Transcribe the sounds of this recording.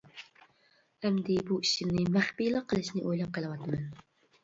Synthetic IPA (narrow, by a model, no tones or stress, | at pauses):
ɛmd̪ɪbuiʃimnɪmæχpijlˠɨqʰːəlˠɨʃnɪʔojlˠɑp̚qʰəlˠɨwɑt̪ʰɨmɛn